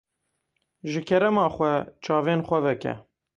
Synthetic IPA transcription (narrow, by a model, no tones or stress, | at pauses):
ʒɨkʰɛɾɛmɑːxʷɛt͡ʃʰɑːveːnxʷɛvɛkɛ̰